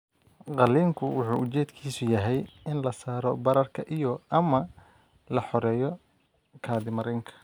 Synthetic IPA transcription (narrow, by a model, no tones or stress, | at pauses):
qɑliːŋkʰʊwʊħṵːʊt͡ʃɛːd̪kʰiːsʊjɐɦɛjɪnlɐsaːɾɔbɐɾɐrkʰɐʔijɔʔɐmɐ | lɐħɔɾɛːjɔ | kʰaːðɪmɐɾɛŋkʰɐ̥